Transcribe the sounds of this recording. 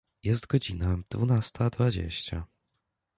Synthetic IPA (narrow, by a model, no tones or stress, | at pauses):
jɛst̪ɡɔd͡ʑinad̪̥vunast̪ʰad̪vad͡ʑḛɕt͡ɕa̰